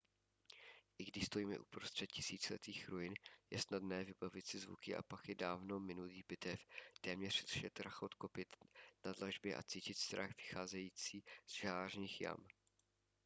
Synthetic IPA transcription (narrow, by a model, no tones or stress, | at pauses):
ʔɪɡdɪʃst̪ojiːmɛ̰ʔupɾost̪r̥ɛt̪̚cɪ̥siːt͡sɛlɛ̰t̪iːxɾojɪnjɛ̰snadnɛːvɪbavɪt̪sɪzvṵkɪʔa̰pakɪdaːvno̞mɪnuliːbɪt̪ɛft̪ɛːmɲɛr̥d̪ʃɛt̪ɾaxʔo̞t̪ko̞pɪt̪nadlaʒbjɛʔa̰t͡siːcɪt̪st̪ɾaxv̥ɪxaːzɛjiːt͡siːz̥ʒaːrɲiːxja̰m